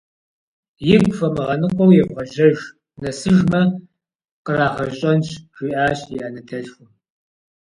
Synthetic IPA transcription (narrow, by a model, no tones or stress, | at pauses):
jɪɡʷfɐmɨʁɐnɨqʷɔwjɛbʁɐʒɐʒ | nɐsɨʒmɐ | qəraːʁɐɕʼɐnɕʒ̥ʷiːʔaːɕjianɐtʰɐɬxʊ